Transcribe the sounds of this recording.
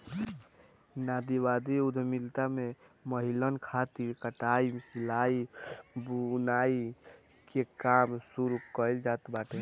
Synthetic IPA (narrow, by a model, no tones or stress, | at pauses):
naːd̪iwad̪iud̪ʱmilt̪ameməɦilənkʰat̪iɾkəʈaimsilaibunaːi | kekaːmsuɾukəld͡ʒaːt̪baːʈʰe